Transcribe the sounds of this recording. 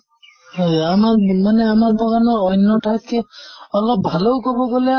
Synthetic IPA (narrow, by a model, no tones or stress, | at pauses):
ɦɔjamakmanɛamabɔkanɔɔjnːɔʈʰakkiɔlɔp̚bʱalowkɔbɔɡɔle